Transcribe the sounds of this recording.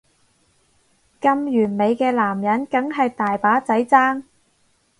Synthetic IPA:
kɐ˧mjyː˨˩nme˨˧jkɛː˧laː˨˩mjɐ˨˥nkɐ˨˥ŋɦɐ˨jt̪aː˨jpaː˨˥t͡sɐ˨˥jt͡saː˥ŋ

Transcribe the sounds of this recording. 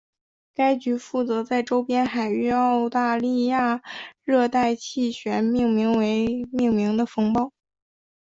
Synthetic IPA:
ka˥ɪt͡ɕy˧˥fu˥˩t͡sɤ˧˥t͡sa˥˩ɪʈ͡ʂo˥ʊpjɛ˥nxa˨˩ɪy˥˧ɑ˥˧ʊt̪a˥˧li˥˧ja˥˩ɻɤ˥˧t̪a˥˧ɪt͡ɕʰi˥˩ɕɥɛ˧˥nmi˥˩ŋmi˧˥ŋwe˧˥ɪmi˥˩ŋmi˧˥ŋd̪ə˧fɤ˥ŋpɑ˥˩ʊ

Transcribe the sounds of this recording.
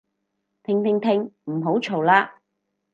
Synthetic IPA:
t̪ʰɪ˨˩ŋt̪ʰɪ˨˩ŋt̪ʰɪ˨˩ŋm̩˨˩ɦo˨˥wt͡ʃʰo˨˩wlaː˧

